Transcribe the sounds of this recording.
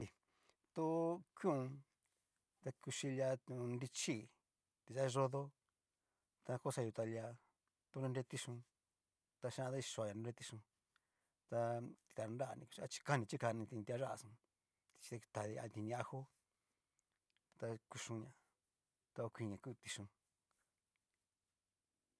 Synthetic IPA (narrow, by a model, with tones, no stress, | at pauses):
i˧ | t̪u˦kʷjĩ˦ũ˧ | t̪a˧ku˧ʃi˧la˧t̪u˧nɾi˧t͡ʃi˦ | t̪i˨˧ʒa˦˧ʐo˧ðo˦ | t̪a˧ko˦sa˧u˧t̪a˧lja˧ | t̪u˧nũ˧nɾe˧˦t̪i˧ʂũ˧ | t̪a˧ʃã˦˧t̪a˦i˧ʃo˧a˧ja˧ũ˧ɾe˦˧t̪i˧ʂũ˧ | t̪a˧t̪i̥˧t̪a˨˧ɾa˦a̰˧nĩ˧ku˧i˧a˦t͡ʃi̥˧ka˦nĩ˧t͡ʃi˦ka˧nĩ˧t̪ĩ˧t̪i˧a˧ʒa˦a̰˧sũ˧ | t̪i̥˧t͡ʃi̥˧e˧t̪a˨ði˧a̰˧t̪i˧nĩ˧a˧xo˦ | t̪a˧ku˧ʂũ˧ɲã˧ | t̪a˧o˧kʷi˧ɲã˨˧ku˦˧t̪i˧ʂũ˧